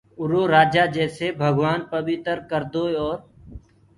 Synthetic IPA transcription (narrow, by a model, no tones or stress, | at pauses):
ʊɾoːɾaːd͡ʒaːd͡ʒɛːsebʱəɡʋaːnpəʋɪt̪əɾkəɾd̪oːɔːɾ